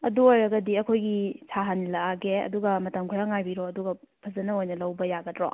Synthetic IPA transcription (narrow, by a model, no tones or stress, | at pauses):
ɐduojɾɐɡɐdiɐkʰojɡisʰaɦanilɐaɡeɐ̰duɡɐmɐtɐmkʰujaŋajbiɾɔɐduɡɐ | pʰɐzɐnɐojnɐlɐwbɐjaɡɐtɾɔ̰